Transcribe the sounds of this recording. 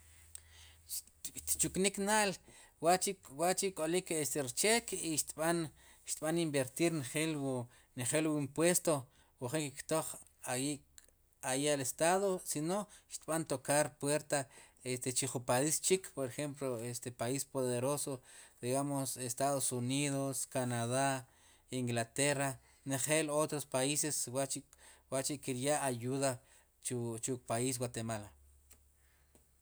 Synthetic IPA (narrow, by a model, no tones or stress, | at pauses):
t̪t͡ʃukniknaʔl | waʔt͡ʃikwaʔt͡ʃikʼolikest̪eɾit͡ʃekiʃt̪ɓan | ʃt̪ɓanimbeɾt̪iɾnχelw | neχelwuimpwest̪o | wuχeŋkekt̪oχ | awiʔ | ajalest̪aðosinoʃt̪ɓant̪okaɾpweɾt̪a | est̪et͡ʃiχupaist͡ʃikpoɾeχemploest̪epaispoðeɾosod̪iɣamosest̪aðosuniðoskanaða | iŋɡlat̪era | neχelot̪ɾospaiseswat͡ʃiwaʔt͡ʃikːiɾjaʔːjuða | t͡ʃut͡ʃukpais̬wat̪emal